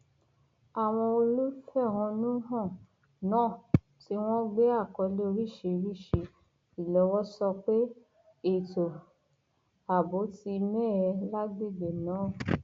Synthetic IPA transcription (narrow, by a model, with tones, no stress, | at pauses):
a˨w̃ɔ̃˧o˧lu˦fɛ˦˨w̃ɔ̃˧nũ˦ɦã˦˨ | nãː˦˨ | ti˧˦w̃ɔ̃˦ɡ͡be˦a˦˨kɔ˧le˦o˧ɾi˦˨ʃe˨˧ɾi˦˨ʃe˧ | i˨lɔ˨˦wɔ˦sɔ˧k͡pe˦ | e˦˨to˨ | a˨bo˨˦ti˧mɛ˦˨ɾɛ˧la˦ɡe˦˨ɡ͡be˨nãː˨˦˨